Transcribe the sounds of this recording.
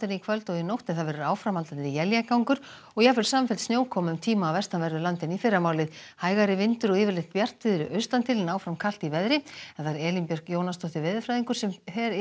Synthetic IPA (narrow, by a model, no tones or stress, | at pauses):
t̪ɪnikʰvœlt̪ɔɣinowht̪ɪðθaðvɛːɾʏɾaːwfɾamhalt̪anijɛljakawŋkʏɾ̥ | ɔɣjɛfɪɾ̥saːmfɛlt̪snjoːwkʰɔmʏmt̪ʰiːmaːwvɛst̪anvɛɾðʏɾlant̪ɪnifɪɾamaːwlɪðhaːjɣaɾɪvɪnt̪ʏɾɔɣɪːvɪɾlɪxt̪̚pjar̥t̪ɪðʏɾʏʔœɥst̪ant̪ʰɪlɪnaːwfɾamkʰal̥t̪ivɛðɾɪɛaɾɛːlimpjœr̥kjoːwnast̪ɔht̪ɪvɪðfɾajðiŋkʏɾ̥sɛmθɛɾ